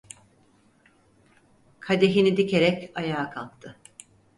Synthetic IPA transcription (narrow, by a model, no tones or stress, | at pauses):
kʰad̪eɦinid̪icʰe̞ɾɛcajaːkʰalˠk̚t̪ʰɯ